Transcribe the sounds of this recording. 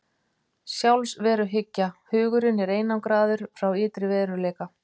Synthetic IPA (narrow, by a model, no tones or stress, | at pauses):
sjawlsvɛːɾʏɦɪcːahʏːɣʏɾɪnɛɾeːjnawkɾaːðʏɾ̥fɾawɪːt̪ɾɪvɛːðɾʏɾleːjka